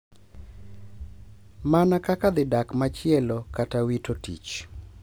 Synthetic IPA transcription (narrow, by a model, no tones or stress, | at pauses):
manakakad̪ɪdakmat͡ʃɪɛlokatawitotḭt͡ʃ